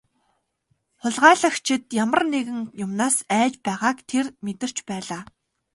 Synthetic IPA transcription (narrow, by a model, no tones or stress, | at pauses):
χʊɮʁaːɮə̆xt͡ɕʰɪ̆t̪̚jamə̆rneɣɘ̆ŋjʊmnaːsæːt͡ɕpæːʁaːkt̪ʰermet̪ɘ̆r̥t͡ɕpæːɮaː